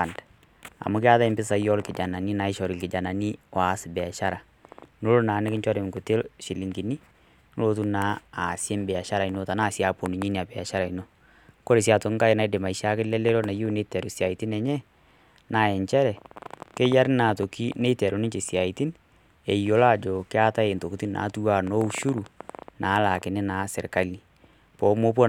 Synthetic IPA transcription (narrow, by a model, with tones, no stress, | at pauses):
nd | a̰˨mʊ˦kɪ˦a˦ða˦ɪ˦mbɪ˦sa˨jɔ˦lkɪ˨d͡ʒa˨na˨ni˦na˨ɪ˦ʃɔ˨ɾɪ˨lkɪ˨d͡ʒa˨na˨ni˦wa˨˦sɪ˨bɛ˨a˨ʃa˦ɾa˨ | no˦lo˦naː˨˦nɪ˦kɪ˦ɲt͡ʃɔ˦ɾe˨m˨ku˨tɪ˦lʃɪ˨li˨ŋɡi˨ni˦ | n˦lo˦tu˦naː˦˨sje˦mbɛ˨a˨ʃa˦ɾa˨i˨no˦ta˨na˦˨si˦a˨po˨ni˨ɲi˦ni˨a˨bɛ˨a̰˨ʃa˦ɾa˨i˨no˦ | ko˦ɾe˨s̬i˦a˨to˨ŋ˦ka˦e˨˦na˦i˦de˨ma˨i˦ʃa˦kɪ˦lɛ˦le˦lo˦na˨jo˦ne˦tɛ˨ɾo˨si˨a˨i˨tɪ˦nɛ˨ɲɛ˦ | na˨˦˨ɛ˨ɲt͡ʃɛ˦ɾɛ˨ke˦ja˦ɾɪ˦na˨to˨ki˦ne˦tɛ˨ɾo˨nɪ˦ɲt͡ʃe˨sa˨i˨ti˦n | e˨jo˨la˦˨d͡ʒo˨kɪ˦a˦ta˦e˨nto˨ku˦ti˦na̰˨˦tu˦wa˦˨no˦u˦ʃu˦ɾu˨na˨˦la˨kɪ˨nɪ˦na˨˦sɪ̰˨ɾka˦li˨ | pɔ˨˦mo˦p̬o˦